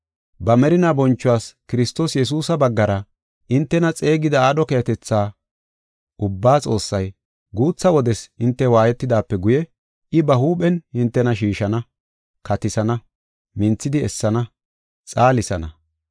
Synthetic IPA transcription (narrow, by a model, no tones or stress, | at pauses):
bɐmɛɾɪnabɔnt͡ʃːʊwaːskɪɾɪst̪o̞ːsjɛs̬uːsɐbɐɡːɐɾɐ | ʔɪnt̪ːɛnɐt͡sʼe̞ːɡɪd̪ɐaːɗɔkɛɐt̪ɛt͡sːaː | ʔʊbːaːt͡sʼo̞ːsːɐj | ɡuːt͡sːɐwɔd̪ɛsɪnt̪ːɛwaːjɛt̪ːɪd̪aːpːɛɡʊjɛ | ʔɪbɐɦuːpɛnhɪnt̪ːɛnɐʃ̬iːʃɐnɐ | kɐt̪ɪsɐnɐ | mɪnt͡sːɪd̪ɪɛsːɐnɐ | t͡sʼaːlɪsɐnɐ̰